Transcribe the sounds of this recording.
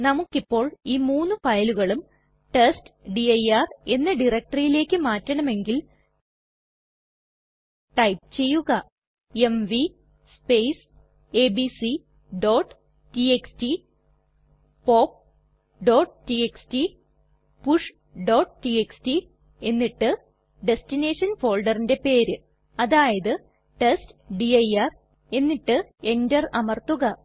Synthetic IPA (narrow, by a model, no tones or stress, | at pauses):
nɐmukːipːo̞ːɭiːmuːnːɨfɐjluɣɐɭum | ʈestɖiɐjare̞nːɨɖirɐk̚ʈɐrjile̞ːkːɨmaːtːɐɳɐme̞ŋɡil | ʈɐjpɨt͡ɕe̞jːuɣɐ | e̞mʋi | spejs | e̞ːbisi | ɖo̞ːʈː | tieksti | poːp̚ | ɖo̞ːʈtieksti | puʂ | ɖo̞ːʈtieksti | e̞nːiʈːɨ | ɖe̞stine̞ːʂɐnfo̞ːɭɖɐrinde̞pe̞ːɾɨ | ɐðaːjɐðɨ | ʈestɖiɐjɐr | e̞nːiʈːɨe̞ndɐrɐmɐrt̪uɣɐ